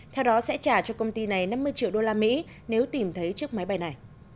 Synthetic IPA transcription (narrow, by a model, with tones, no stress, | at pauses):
t̪ʰɛ˧wɗɔ˨˦sɛ̰˧˥t͡ɕaː˧˩t͡ɕɔ˧kə˧wŋ͡mt̪i˧na˨˩jna˧mːɨ˧əjt͡ɕḭ˧˨wɗo˧laː˧mḭ˧˥ | ne˨˦wt̪i˨˩mt̪ʰə˨˦jt͡ɕɨ˦˥ək̚ma˨˦jɓa˧jna˨˩j